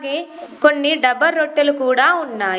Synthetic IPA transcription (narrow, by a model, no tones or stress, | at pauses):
ɡekoɳːiɖɐbɐlɾoʈːɐlukuːɽaːunːaː